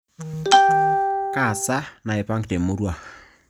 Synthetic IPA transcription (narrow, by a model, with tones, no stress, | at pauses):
ka˨sa˦na˨e˨pa˦ŋkte˨mo˦ɾwa˨